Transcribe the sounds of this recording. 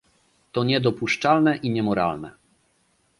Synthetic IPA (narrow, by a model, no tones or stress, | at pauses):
t̪ɔɲɛd̪ɔpuʂt͡ʂalnɛʔiɲɛmɔɾa̰lnɛ̰